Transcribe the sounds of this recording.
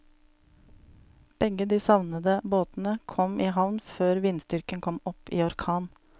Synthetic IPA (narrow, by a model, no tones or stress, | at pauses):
b̥ɛɡəd̪iːsɑʋnəd̪əboːt̪n̩əkʰɔmʔiːhɑʋnføːɾʋɪnst̪ʏɾkənkʰɔmɔpiːɔɾkʰɑːn